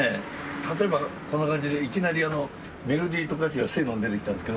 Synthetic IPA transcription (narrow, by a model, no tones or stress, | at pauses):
e | t̪at̪o̞e̞bako̞nːokãɲ̟d͡ʑid̪eikʲinaɾʲiano̞ | me̞ɾo̞d̪ʲiːt̪okot̪at͡ɕiiβasɨɡenond̪e̞t̪ekʲi̥t̪ãnesked̪o